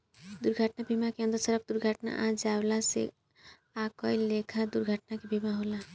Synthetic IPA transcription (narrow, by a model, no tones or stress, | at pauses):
d̪uɾɡʱaʈnabʱimakeʌ̃nd̪əɾsəɾəp̚d̪uɾɡʱaʈna̰ʔãd͡ʒablasḛ | akɔjlekʰad̪uɾɡʱaʈnakebʱimaɦola